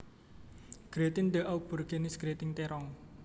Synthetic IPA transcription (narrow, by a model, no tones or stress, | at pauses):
ɡ̥ɾet̪ɪnd̪əʔaub̥o̤rɡ̥enɪsɡ̥ɾet̪ɪŋt̪ɛɾɔŋ